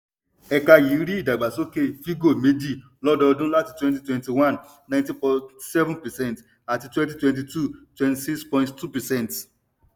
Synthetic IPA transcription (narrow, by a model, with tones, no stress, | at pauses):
ɛ˨ka˧ji˨˦ɾi˦i˦˨da˨ɡ͡ba˨so˦ke˦˨fi˦ɡo˦˨me˨˦di˦˨ | lɔ˦dɔ˧dũ˦la˦˨ti˨twɛ̃˦nti˦twɛ̃˨nti˨wã˦˨n | nã˦j̃ntĩ˦pɔsɛ˦vũnpɛ˨sɛ̃˦˨nt | a˨ti˨twɛ̃˦nt̬i˦twɛ̃˨nt̬i˨tu˦˨twɛ̃˨nti˨si˦kspɔ̃˧ĩnttu˦pɛ˨sɛ̃˦˨nt